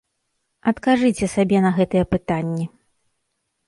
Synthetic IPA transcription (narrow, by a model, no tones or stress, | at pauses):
ɐt̪kaʐɨt͡sʲɛsabʲɛnɐɣɛt̪ɨjɛpɨt̪anʲːi